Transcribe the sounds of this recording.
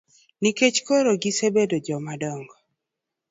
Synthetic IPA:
niket͡ʃkoɾoɡisebedod͡ʒɔmadɔŋɡɔ

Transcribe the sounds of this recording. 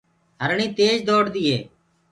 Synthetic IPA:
ɦəɾɳĩːt̪eːd͡ʒd̪oːɽd̪iːeː

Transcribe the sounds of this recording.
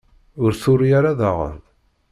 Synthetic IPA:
ʊɾθʊɾijaɾaðaʁə̰ɾ

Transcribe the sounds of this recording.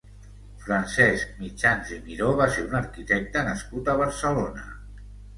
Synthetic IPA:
fɾansɛsk̚mit͡ʃanzimiɾoβaseɾunəɾkit̪ɛk̚t̪ənəskut̪əβ̞əɾsəlonə

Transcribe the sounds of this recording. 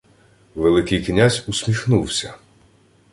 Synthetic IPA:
ʋelˠɪkɪjknʲazʲusʲmʲixnuwsʲɐ

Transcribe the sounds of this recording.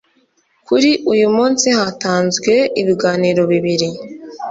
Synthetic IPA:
kʰuɾiʔujumuːnsihataːnzɡwe̞iβiɡaːniɾo̞βiβiɾi

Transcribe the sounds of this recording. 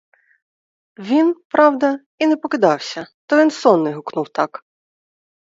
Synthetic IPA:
ʋʲinpɾɑwd̪ɐ | inɛpɔkɪd̪ɑwsʲɐt̪ɔʋʲinsɔnːɛɦʊknuwt̪ɑk

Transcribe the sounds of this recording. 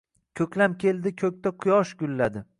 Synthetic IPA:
kʲʰɵkʲlamkʲʰe̞ld̪ɪkʲʰɵk̚ʲt̪aqʰʊjɒʃɡʲʊlːad̪ɪ

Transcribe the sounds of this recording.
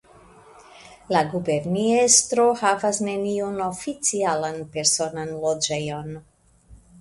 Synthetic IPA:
laɡube̞ɾniestɾo̞havasne̞niono̞fit͡sialanpe̞ɾso̞nanlo̞d͡ʒe̞jo̞n

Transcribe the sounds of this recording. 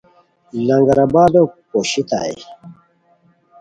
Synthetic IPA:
laŋɡaɾabad̪opoʃit̪a̰ḛ

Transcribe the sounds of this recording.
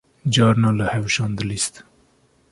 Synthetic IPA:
d͡ʒɑːɾnaːləhɛwʃɑːnd̪əlist̪

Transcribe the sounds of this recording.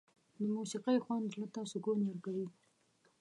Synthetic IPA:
d̪əmusiqijxwand̪lat̪ɑsoɡoneaɾkawi

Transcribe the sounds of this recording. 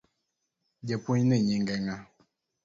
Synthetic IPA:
ɟɛpuɲnəɲiŋɡɛŋa

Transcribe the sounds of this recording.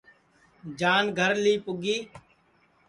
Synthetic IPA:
d͡ʒaːnɡʱəɾliːpʊɡiː

